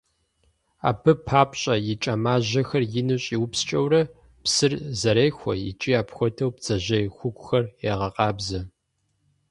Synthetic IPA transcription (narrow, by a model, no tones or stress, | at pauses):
a̰ːpʰɨpʰaːpʼɕʼɐjɪt͡ʃʼɐmaːʑɐxɐrjɪnɨɕʼiwʊpst͡ʃʼɐwrɐ | psɨrzɐɾeːxʷɔjɪ̰t͡ʃʼiaːpxʷɔtʰɐwpt͡sʼɐʑɐjxʷʊkʷʼʊxɐreːʁɐqʼɑːbzɐ